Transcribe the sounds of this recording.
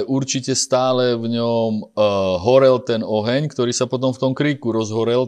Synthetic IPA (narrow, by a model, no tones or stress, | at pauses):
ʔuɾt͡ʃicɛst̪aːlɛvɲɔmɦɔɾɛlt̪ɛnɔɦɛɲkt̪ɔɾiːsapɔt̪ɔmft̪ɔmkɾiːkuɾɔzɦɔɾɛl